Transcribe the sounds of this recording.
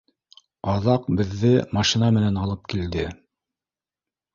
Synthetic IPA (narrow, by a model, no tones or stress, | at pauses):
ɑðɑqbɘ̆ðːɘmɑʃinɑmɘ̆nænɑlˠɤp̚kild̪ɘ